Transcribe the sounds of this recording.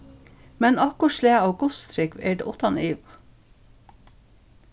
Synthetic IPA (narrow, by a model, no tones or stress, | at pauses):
mɛnɑkʊʃleːɑːɡʊst̪ʰɾɪkʋḛːɖḛːʔʊt̪ɑniːʋ